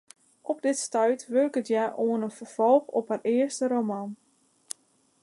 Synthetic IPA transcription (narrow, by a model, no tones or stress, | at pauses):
ʔɔpdɪtstœɥtʋørkətjaʔoənənfərv̥ɔlˠxɔpharɪərstəɾomɑn